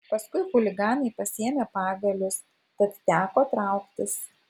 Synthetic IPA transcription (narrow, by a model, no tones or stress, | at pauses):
pɐskʊɪxʊlʲɪɡɑːnɐɪpɐsʲiɛmʲeːpɑːɡɐlʲʊs | t̪ɐt̪t̪ʲæːkoːt̪ɾɑˑʊkt̪ʲɪs